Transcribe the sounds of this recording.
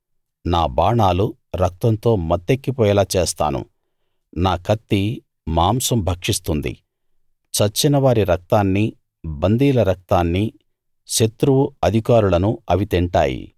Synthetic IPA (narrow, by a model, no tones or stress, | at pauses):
naːbaːɳaːlu | ɾɐk̚t̪ɐnt̪o̞ːmɐt̪ːe̞kːipɔːjɐlaːt͡ʃeːst̪a̰ːnṵ | naːkʰɐt̪ːi | maːmsɐmbʱɐkʂist̪und̪ḭ | t͡ʃɐt͡ʃːinɐʋaːɾiɾɐk̚t̪aːnːi | bɐnd̪iːlɐɾɐk̚t̪aːnːi | ʃet̪ɾuʋuɐd̪ʱikaːɾulɐnuɐʋit̪iɳʈa̰ːjḭ